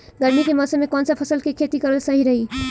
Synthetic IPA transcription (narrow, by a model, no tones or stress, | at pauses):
ɡəɾmikemʌsəmːekɔnsapʰʌsəlkekʰet̪ikʌɾəlsəɦiɾəɦi